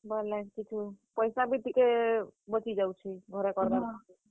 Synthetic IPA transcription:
balat͡ʃit͡ʃʰupəjsabit̪ikebɔt͡ʃid͡ʒawt͡ʃʰiɡʱɔɾekɔɾd̪abaki

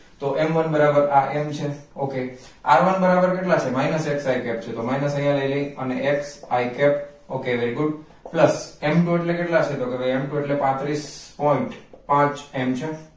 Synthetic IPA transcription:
t̪oʔemʋənbəɾabəɾaʔemt͡ʃʰeoke | a̰ɾʋənbəɾabəɾkeʈlat͡ʃʰemainəseksaikɛp̚t͡ʃʰet̪omainəsə̃jãləiləiəneʔeksajkɛp | okeʋeɾiɡʊɖ | pləsemʈueʈlekeʈlat͡ʃʰet̪okebəemʈueʈlepãt̪ɾispɔiɳʈpãt͡ʃemt͡ʃʰe

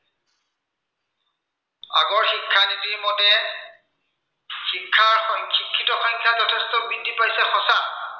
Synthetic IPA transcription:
a̰ɡɔɹxikʰːanitiɹmɔtɛ | xikʰːaɹɔxʰikʰːitɔxɔŋkʰjazɔtʰɛstɔbidʱːipajsɛxɔsa

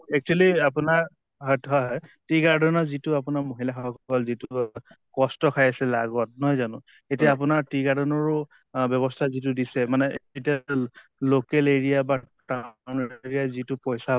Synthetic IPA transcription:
ɛk̚t͡ʃualiapʊnaɹ | ɦɔjtʰɔɦɔjtɹiɡaɹdɔnɔzitʊap̬ʊnaɹmoɦilaxɔɦɔkkɔlzitʊ | kɔstɔkʰajasɛlaɡɔt̚nɔɦɔjzanʊ̃ | etiaːp̬ʊnaɹtiɡaɹdɔnɔɹʊ | bjɔβɔstʰazit̬ʊdisɛmanɛetia | lokɛleɹiaba | tawneɹijazitʊpɔjsa

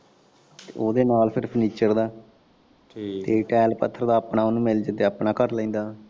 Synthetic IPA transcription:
t̪eːoːd̪eːnaːlpʰɪɾpʰəniːt͡ʃəɾd̪aː | t̪eːʈɛːlpət̪ʰːəɾd̪aːəpɳaːonũːmɪld͡ʒəd̪eːəpnaːkəɾlə̃ĩːnd̪aː

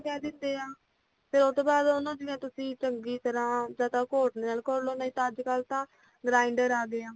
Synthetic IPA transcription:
kɛːd̪ɪnd̪eːaː | pʰɪɾʊt̪oːbaːd̪onãːd͡ʒɪẽːt̪ʊsĩːt͡ʃəŋɡiːt̪əɾãːd͡ʒaːt̪ãːkoːʈneːaːlkəɾloːnaːiːt̪ãːəd͡ʒkəlt̪ãː | ɡɾaːɪɳɖəɾaːɡeãː

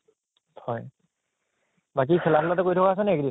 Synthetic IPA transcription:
tʰɔj | bak̬isʰɛlapʰlatɔkojtʰɔkaːs̬ɛnɛekdi

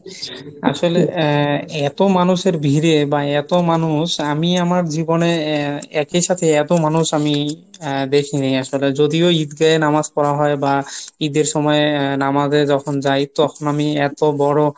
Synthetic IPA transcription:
a̰ʃole | ɛt̪omanuʃeɾbʱiɾebaɛt̪omanuʃamiamaɾd͡ʑiboneɛkiʃat̪ʰeɛt̪omanuʃami | d̪ekʰinajaʃoled͡ʑod̪ioid̪ɡaenamaskɔɾaɦɔebaid̪eɾʃɔmɔenamazed͡ʑɔkʰond͡ʑajt̪ɔkʰonamiɛt̪obɔɽo

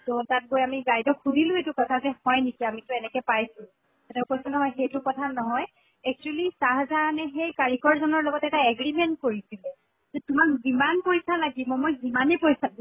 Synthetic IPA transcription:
totat̚bojamiɡajdɔkʰudʱilʊ̃etukɔtʰazɛhɔjnikiamitʊɛnɛkɛpajsʊ̥̃ | atɛʊkojsɔnɔɦɔjxejtukɔtʰanɔɦɔj | ɛk̚t͡ʃuɛlisaɦazaːnɛxejkaɹikɔɹzɔnɔɹlɔɡɔtɛtaɛɡɹimɛnt̚koɹisilɛ | zɛtumakzimanpojsalaɡimɔmojzimanɛpojsadi

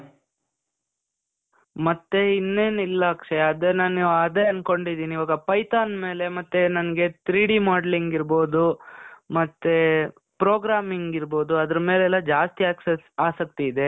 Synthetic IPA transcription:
mɐt̪ːeinːe̞ːnilːɐkʂɛjɐd̪enaːnaːd̪eɐnko̞ɳɖid̪iːniːʋaːɡɐpɐjt̪aːnme̞ːle̞mɐt̪ːenɐnɐɡe̞t̪ɾiːɽimaːɖeliŋɡiɾboːd̪umɐt̪ːe | pɾoːɡɾaːmiŋɡiɾbo̞ːd̪uɐd̪ɐɾɐme̞ːleɛlːɐd͡ʒaːst̪iaːksesaːsɐk̚t̪iːd̪e̞

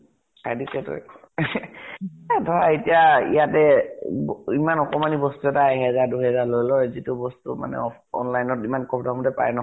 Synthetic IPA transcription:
sajdisɛto̰j | adʱɔɹaetiaḭjatɛbimanɔkɔmanibɔstuɛtaeɦɛzaɹduɦɛzaɹlojlɔjzitʊbɔstuma̰nɛ̰ɔ | ɔ̰nlajnɔtimankɔpʰdamutɛpa̰jɛnɔ

